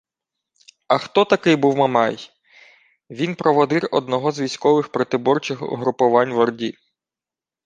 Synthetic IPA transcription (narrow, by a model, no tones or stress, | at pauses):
ɐxt̪ɔt̪ɐkɪjbuwmɐmɛj | ʋʲinpɾɔʋɔd̪ɪɾɔ̰d̪nɔɦɔzʋʲijsʲkɔʋɪxpɾɔt̪ɪbɔrt͡ʃɪxʊ̰ɦɾʊpʊʋɑnʲʋɔrdʲi